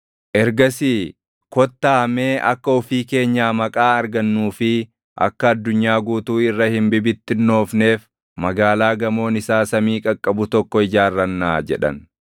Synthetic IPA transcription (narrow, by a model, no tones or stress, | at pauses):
ʔɛɾɡɐsiː | kɔt̪ːaːɐmeːʔɐ̰kːɐɔfiːke̞ːɲːaːmɐkʼaːɐɾɡɐnːuːfɪ | ʔɐ̰kːɐːd̪ːʊɲːaːɡuːt̪uːɪrːɐhɪmbɪbɪt̪ːɪnːo̞ːfne̞ːf | mɐɡaːlaːɡɐmo̞ːnɪsaːsɐmiːkʼɐkʼːɐbʊt̪ɔkːɔɪd͡ʒaːrːɐnːaːd͡ʒɛ̰ᶑɐ̰n